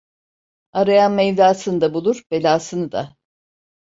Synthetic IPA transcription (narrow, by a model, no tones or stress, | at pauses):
aɾajanmɛvlʲaːsɯnɯd̪abulˠuɾbe̞lʲaːsɯnɯd̪a̰